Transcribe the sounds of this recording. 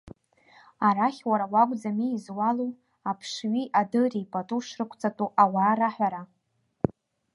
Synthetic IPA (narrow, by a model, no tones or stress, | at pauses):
aɾaχʲwaɾawaɡʷʼd͡zamiːzwalo | apʰʂɥiʔadɨripʼatʼuʂrɨkʷʰt͡sʼatʼuʔawaːɾaħᶣʷaɾa